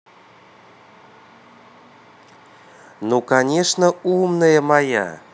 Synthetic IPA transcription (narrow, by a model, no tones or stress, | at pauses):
nokanʲeʂnəumnəjemɑjɑ̰